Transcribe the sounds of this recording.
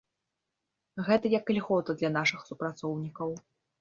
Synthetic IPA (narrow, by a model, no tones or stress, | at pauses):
ɣɛt̪ɐjɐkːlʲiɣɔt̪ɐd̪lʲɐnaʂɨxsupɾat̪sɔwnʲikɐw